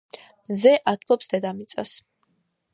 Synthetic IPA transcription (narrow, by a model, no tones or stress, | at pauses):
zɛʔat̪ʰpʰɔpsd̪ɛd̪amit̪sʼa̰s